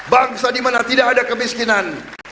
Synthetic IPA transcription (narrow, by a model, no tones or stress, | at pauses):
baŋsadimanat̪idakadakəmiskinan